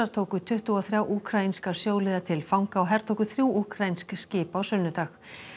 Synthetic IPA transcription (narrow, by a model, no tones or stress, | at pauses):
aɾ̥t̪ʰoːwkʏt̪ʰʏht̪ʏaθɾjawʔuːkʰɾajinskḁsjoːwlɪðat̪ʰɪlfawŋkaɔɦɛɾ̥t̪ʰowkʏθɾjuːʔuːkʰɾajinskscɪːpawsʏnːʏt̪ax